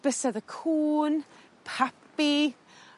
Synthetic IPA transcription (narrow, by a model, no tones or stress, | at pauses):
b̥əsɛðəkʰuːn | pʰapi